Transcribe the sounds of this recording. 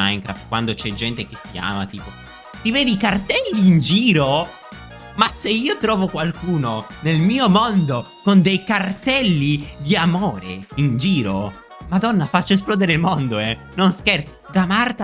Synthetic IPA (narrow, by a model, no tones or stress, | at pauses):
ajŋkɾa̰fkwand̪ot͡ʃɛd͡ʒɛnt̪ek̟esːia̰ːmat̪iːpo | t̪iveːd̪ikart̪ɛlːiːnd͡ʒiːɾo | maseiːot̪ɾɔːvokwalkuːnonelmiːomond̪o | kond̪ejkart̪ɛlːid̪iamoːɾḛind͡ʒiːɾo | mad̪ɔnːafat͡ʃːaes̬plɔːd̪eɾeɪilmond̪oɛ | nonskert̪sid̪amart̪a